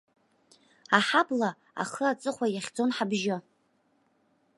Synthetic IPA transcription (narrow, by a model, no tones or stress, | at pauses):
aħabla | a̰χəat͡sʼɨχʷajaχʲd͡zo̞nħabʒɪ